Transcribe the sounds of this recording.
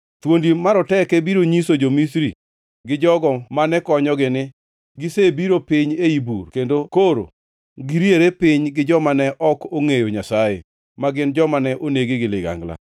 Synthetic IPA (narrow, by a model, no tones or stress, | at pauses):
t̪wondimaɾɔtɛkɛbiɾoɲisod͡ʒomisɾi | ɡɪd͡ʒɔɡɔmanɛkɔɲɔɡɪnɪ | ɡɪsebiɾopɪɲeibṵrkendokoɾo̰ | ɡɪɾieɾepɪɲɡɪd͡ʒɔmanɛʔɔkoŋejoɲasajḛ | maɡɪnd͡ʒɔmanɛʔoneɡiɡɪlɪɡa̰ŋɡla̰